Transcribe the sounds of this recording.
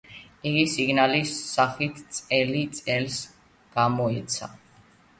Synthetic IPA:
iɡisiɡnalisːaχit̪ʰt̪sʼɛlit̪sʼɛls | ɡ̥amɔɛt̪sʰa̰

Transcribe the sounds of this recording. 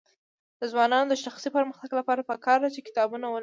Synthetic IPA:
d̪̥əzwɑnɑnod̪əʃaxsipəɾməxt̪aɡlapɑɾapəkɑɾd̪at͡ʃekɪ̥t̪ɑbunawəl

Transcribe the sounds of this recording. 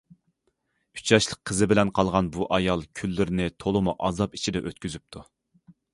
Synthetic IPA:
y̥t͡ʃʰɑʃlˠəqʰːəzɨbɪlɛnqʰɑlˠʁɑnbuʔɑjɑlˠkʲʰylːɪɾɪnɪt̪ʰolˠɨmuʔɑzɑpi̥t͡ʃʰid̪ɛʔøt̪̚kʲyzyp̚t̪ʰu

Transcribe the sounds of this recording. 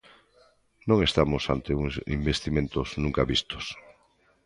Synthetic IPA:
nõŋest̪amosant̪euŋsḭmbest̪imẽnt̪oznũŋkaβist̪o̥s

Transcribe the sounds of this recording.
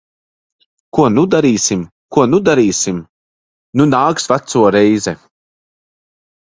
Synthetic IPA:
kuɔnud̪aɾiːsim | kuɔnud̪aɾiːsim | nunaːksvat̪suɔɾɛjzɛ

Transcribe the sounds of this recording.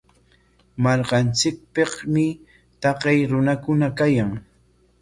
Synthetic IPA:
maɾqɑnt͡sɪk̚pɪqmɪ | t̪ɑqejɾʊnakʊnakajaŋ

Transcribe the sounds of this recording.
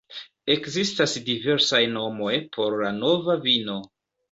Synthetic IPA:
e̞kzistasdive̞ɾsajno̞mo̞jpʰo̞ɾlano̞vavino̞

